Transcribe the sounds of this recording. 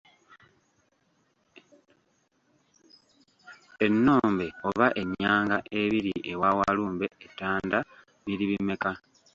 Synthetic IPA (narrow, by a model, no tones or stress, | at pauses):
e̞nːo̞ːmbe̞o̞βaʔe̞ɲaːŋɡaʔe̞βiɾiʔe̞wawaluːmbe̞etːaːnda | βiɾiβime̞ka